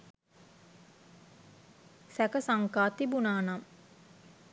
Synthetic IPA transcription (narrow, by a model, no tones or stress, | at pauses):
sækəsaŋkaːt̪ibunaːnam